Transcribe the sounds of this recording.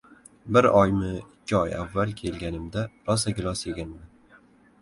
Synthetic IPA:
bɪɾɒjmɪɪkʲʰːɪɒja̰vːalˠkʲʰe̞lɡʲanɪmd̪aɾɒsaɡʲɪlˠɒsje̞ɡʲanman

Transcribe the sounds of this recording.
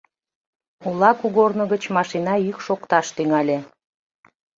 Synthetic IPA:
ulɑkuɣornə̆ɣət͡ɕmɑʃinɑykʃokt̪ɑʃt̪yŋɑlʲe

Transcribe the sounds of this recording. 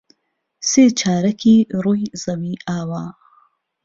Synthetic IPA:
seːt͡ʃʰaːɾɐkiɾujzɐwiːʔaːwaː

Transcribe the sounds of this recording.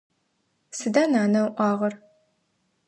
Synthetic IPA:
sɨdaːnaːnɐwʔʷɑːʁɐr

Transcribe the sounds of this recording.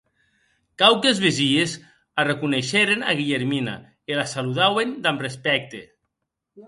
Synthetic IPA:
kawkezβeziez | arekuneʃeɾena̰ɣiʎeɾmina̰ | elasaluðawend̪amrespɛk̚t̪ḛ

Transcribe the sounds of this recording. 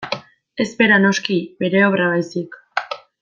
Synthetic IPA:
e̞zpe̞ɾano̞skibe̞ɾe̞oβɾaβajsik

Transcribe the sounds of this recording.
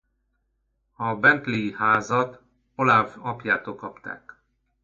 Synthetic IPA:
ɒbɛnt̪leihaːzɒt̪ | o̞lavɒpjaːt̪oːlkɒpt̪a̰ːk

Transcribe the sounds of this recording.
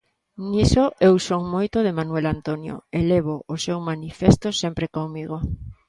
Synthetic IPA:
nisoʔewsoŋmojt̪oðemanwelant̪onjo̰eleβoosewmanifest̪osempɾekoŋmiɣo

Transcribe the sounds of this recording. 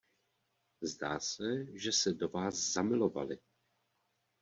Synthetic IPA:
zdaːsɛʒɛsɛdo̞vaːszamɪlo̞va̰lɪ

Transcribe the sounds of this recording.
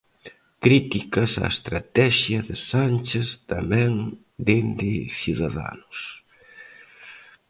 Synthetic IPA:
kɾit̪ikɐsa̰ḛst̪ɾat̪ɛʃjɐðɪsant͡ʃest̪amɛ̃ŋ | d̪end̪ɪθuðaða̰nʊs

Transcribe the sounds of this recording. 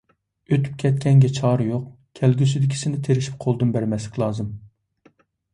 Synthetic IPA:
øt̪ʰy̥p̚kʲʰɛt̪̚kʲʰɛŋɡʲɛt͡ʃʰɑːɾɨjoq̚ | kʲʰɛlɡʲysyd̪ɪkʲʰi̥sɪnɪt̪ʰeɾɪʃi̥p̚qʰolˠd̪ɨnbæɾmɛslɪkʲlˠɑːzɨm

